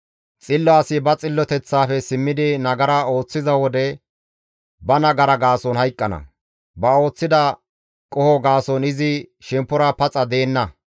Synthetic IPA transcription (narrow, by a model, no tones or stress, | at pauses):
t͡sʼɪlːɔasɪbɐt͡sʼɪlːɔt̪ɛt͡sːaːfɛsɪmːɪd̪ɪnɐɡɐɾɐo̞ːt͡sːɪzɐwɔd̪ɛ | bɐnɐɡɐɾɐɡaːsɔnhɐjkʼːɐnɐ̰ | bɐo̞ːt͡sːɪd̪ɐ | kʼɔhɔɡaːsɔnɪzɪʃɛmpːʊɾɐpɐt͡sʼːɐd̪e̞ːnːɐ